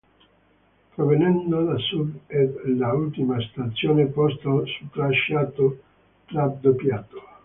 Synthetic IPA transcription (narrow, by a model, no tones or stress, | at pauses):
pɾovenɛnd̪od̪asud̪elault̪imast̪at̪sːjoːnepɔst̪asut̪ɾaʃːaːt̪o | tlad̪opjaːt̪o̥